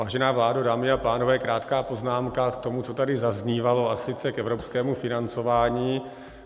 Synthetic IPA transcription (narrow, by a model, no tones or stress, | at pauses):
aːʒɛnaːvlaːdudaːmɪapaːnovɛːkɾaːt̪kaːpo̞znaːmkakt̪o̞mut͡so̞t̪adɪzazɲiːvalo̞asɪt͡sɛkɛvɾopskɛːmufɪnant͡so̞vaːɲiː